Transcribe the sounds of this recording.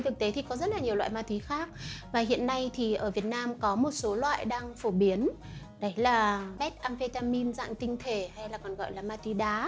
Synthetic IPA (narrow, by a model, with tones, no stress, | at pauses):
jt̪ʰɨ˨˩k̚t̪e˨˦t̪ʰi˨˩kɔ˨˦zə˦˥t̚laː˨˩ɲ˨˩wa̰ː˧˨jmaː˧t̪ʰwi˨˦xaː˦˥k̚vaː˨˩hḭ˧˨ənːa˧jt̪ʰi˨˩ʔəː˧˩vi˨˩ət̚naː˧mkɔ˨˦mo˨˩t̚so˨˦lwa̰ː˧˨jɗaː˧ŋfo˧˩ɓi˨˦ən | ɗə˨˦jlaː˨˩ɓɛ˦˥t̚ʔaː˧mfe˧t̪aː˧mi˧nza̰ː˧˨ŋt̪ï˧ŋ̟t̪ʰe˧˩ha˧jlaː˨˩kɔ˨˩nɣɔ̰ː˧˨jlaː˨˩maː˧t̪wi˨˦ɗaː˨˦